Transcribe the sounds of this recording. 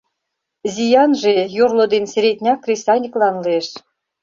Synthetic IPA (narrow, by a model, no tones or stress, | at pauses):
zʲijɑnʒejurlˠŏd̪ensʲeɾʲet̪ʲnʲɑkːrʲisɑnʲiklɑnleʃ